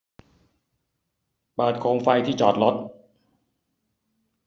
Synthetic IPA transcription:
paː˨˩t̪̚kʰoː˧ŋfa˧jt̪ʰiː˥˩t͡ɕɔː˨˩t̪̚lo˦˥t̪̚

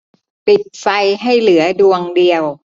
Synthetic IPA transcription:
pi˨˩t̪̚fa˧jɦa˥˩jlɯ˨˩˦ɐdu˧əŋdi˧əw

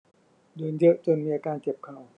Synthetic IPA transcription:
dɯː˨˧˦njɤ˦˥ʔt͡ɕo˧nmiː˧ʔaː˧kaː˧nke˨˩p̚kʰa˨˩w

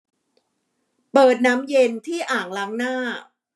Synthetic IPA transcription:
pɤː˨˩t̪̚na˦˥mje˧nt̪ʰiː˥˩ʔaː˨˩ŋla˦˥ŋnaː˥˩

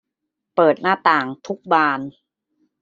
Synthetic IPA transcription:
pɤː˨˩t̪̚naː˥˩t̪aː˨˩ŋt̪ʰu˦˥k̚baː˧n

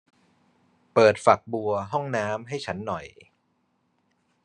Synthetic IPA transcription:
pɤː˨˩t̪̚fa˨˩k̚bu˧ɐɦɔ˥˩ŋnaː˦˥mɦa˥˩jt͡ɕʰa˦˥nːɔ˨˩j

